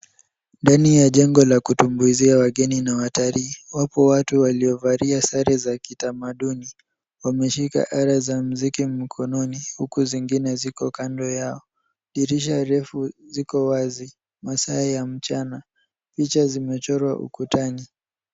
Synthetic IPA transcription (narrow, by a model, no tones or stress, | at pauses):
ndanijaʄɛŋɡɔlakutumbuiziawaɠɛninawataliːwapɔwatuwaliɔvaɾiasaɾɛzakitamaɗuni | wamɛʃika̰ʔaɾazam̩zikim̩kʰɔnɔnihukuziŋɡinɛzikɔkandɔjaɔ | ɗiɾiʃ̬aɾɛfuzikɔwazi | masaɛjam̩t͡ʃana | pit͡ʃazimɛt͡ʃɔɾwa̰ʔṵkutani